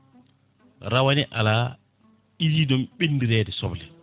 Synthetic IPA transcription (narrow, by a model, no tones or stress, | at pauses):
ɾawanɛʔa̰la | id͡ʒidɔmɓinːdiɾɛːdɛsɔblɛ